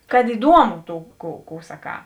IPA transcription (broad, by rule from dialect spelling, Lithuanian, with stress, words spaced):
kɐt ɪˈduɔmʊ ˈtuː kuː kuː sɐˈkɑː